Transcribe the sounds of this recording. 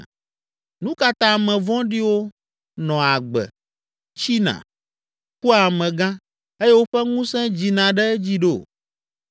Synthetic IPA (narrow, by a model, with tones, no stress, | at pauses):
nũ˦ka˦t̪ã˦˨mɛ̃˨vɔ̃˦ɖi˦wo˦ | nɔ̃˨a˨ɡ͡bɛ̰˨ | t͡ɕi˦nã̰˨ | ku˦a˨mɛ̃˨ɡã˦ | e˦je˦wo˦ɸɛ˦ŋũ˦sɛ̃˦d͡ʑi˨nã˨ɖɛ˦d͡ʑi˦ɖo˦˨